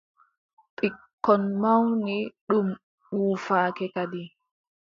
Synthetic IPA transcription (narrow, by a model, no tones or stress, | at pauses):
pʼikːɔnmawniɗum | uːfaːkɛkadi